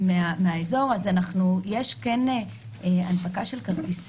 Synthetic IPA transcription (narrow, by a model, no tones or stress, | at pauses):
meameaezo̞ʁazanaχnujeʃkene | a̰npakaʃe̞lkaltis